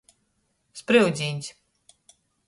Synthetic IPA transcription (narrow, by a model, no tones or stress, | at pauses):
spɾiwzʲinʲsʲ